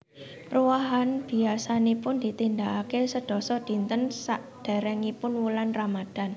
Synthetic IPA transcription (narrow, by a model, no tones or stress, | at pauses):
ruwaɦanb̥i̤asanipʊnd̪̥i̤t̪ind̪aʔakesəɖ̥ɔ̤sɔd̪̥i̤nt̪ənsaʔd̥ɛ̤ɾɛŋipʊnwulanramad̥a̤n